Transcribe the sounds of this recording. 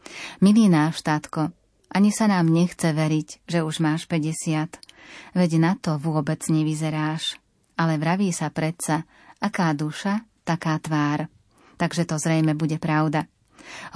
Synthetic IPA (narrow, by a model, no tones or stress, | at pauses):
miliːnaːʃt̪at̪kɔ | ʔaɲisanaːmɲɛxt͡sɛʋɛɾiɟʒɛuʒmaːʃpɛɟɛsɪat̪ʋɛɟnat̪ɔʋʊɔbɛd͡zɲɛʋizɛɾaːʃ | alɛʋɾaʋiːsapɾɛt̪t͡sa | akaːd̪uʃat̪akaːt̪ʋaːɾ | t̪aɡʒɛt̪ɔzɾɛjmɛbuɟɛpɾaʊd̪a